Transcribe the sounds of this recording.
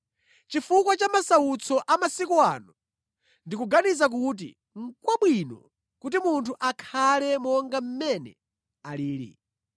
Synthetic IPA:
t͡ʃifukwat͡ʃamasaut͡sʰɔʔamasikua̰ːnu | ndikuɡanizak̬ut̬ḭ | ŋ̩kwaɓwinɔ̰ | kut̬imuntʰuʔakʰalɛmɔŋɡam̩mɛnɛ̰ | aliːɾḭ

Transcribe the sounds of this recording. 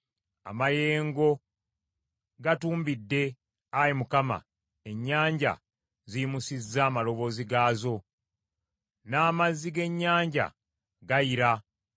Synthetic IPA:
a̰maje̞ːŋɡo̞ | ɡatuːmbidːe̞ | ajimukama̰ | e̞ɲːaːɲɟa̰ | ziimusizːaːmalo̞βo̞ːziɡaːzo̞ | naːmazːiɡe̞ɲːaːɲɟa̰ | ɡajiɾa

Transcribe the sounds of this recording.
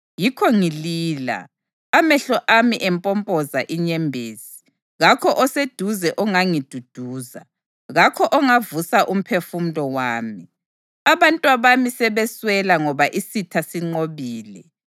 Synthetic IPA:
jikʰɔŋiliːla̰ | amɛɬɔʔamiʔɛmpʼɔmpʼɔzaʔiɲɛmbʱeːzi̥ | ɣakʰɔʔɔsed̥ʱuzɛʔɔŋaŋid̥ʱud̥ʱuːza̰ | ɣakʰɔʔɔŋavusaʔum̩pʰefum̩lɔwaːmi | aβantʼwaβamisɛβɛswɛlaŋɔβaʔisitʰasiŋ͡ǃoβiːlɛ

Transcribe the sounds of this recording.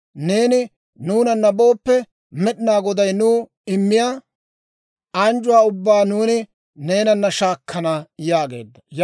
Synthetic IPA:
ne̞ːnɪ | nuːnɐnːɐbo̞ːpːɛ | mɛɗɪnaːɡɔd̪ɐjnuː | ɪmːɪjaː | ɐnd͡ʒʊwaːʊbːaːnuːnɪ | ne̞ːnɐnːɐʃaːkʰːɐnɐjaːɡe̞̰ːd̪ːɐj

